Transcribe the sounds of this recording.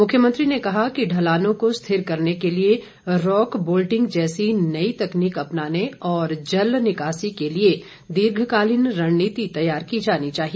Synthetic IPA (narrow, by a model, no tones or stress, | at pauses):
mʊkʰjəmə̃nt̪ɾinekɐɦakiɖʱɐlaːnõkost̪ʰɪɾkɐɾnekelie | ɾɔːkboːlʈɪ̃ŋɡd͡ʒɛːsinɐit̪ɐkniːkɐpnaːneɔːɾd͡ʒɐlnɪkaːsikelie | d̪ɪɾɡʱkaːlɪnɾɐɽːiːt̪it̪ɐjaːɾkid͡ʒaːnit͡ʃaːɦie